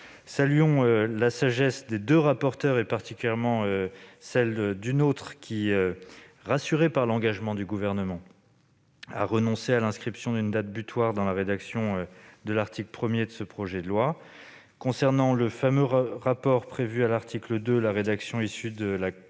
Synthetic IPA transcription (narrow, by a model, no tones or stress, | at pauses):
salyɔ̃ølasaʒɛsd̪ed̪øʁapɔʁt̪œʁepaʁt̪ikʲyljɛʁmɑ̃øsɛld̪ynot̪χkʲʰiøʁasyʁepaʁlɑ̃ɡaʒmɑ̃d̪yɡuvɛʁnəmɑ̃ | a̰ʁənɔ̃sealɛ̃skχipsjɔ̃d̪ynd̪at̪̚byt̪waʁd̪ɑ̃laʁed̪aksjɔ̃ød̪əlaʁt̪ʰikləpχəmjed̪əsəpχɔʒɛd̪əlwa | kɔ̃sɛʁnɑ̃ləfamøʁapɔʁpχevyalaʁt̪ʰikləd̪ølaʁed̪aksjɔ̃isyd̪əla